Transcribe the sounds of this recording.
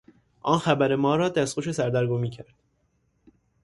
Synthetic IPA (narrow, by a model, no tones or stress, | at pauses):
ʔɒːnxæbæɾemɒːɾɒːd̪æst̪qoʃe̞sæɾd̪æɾɡomiːcʰæɾd̪̥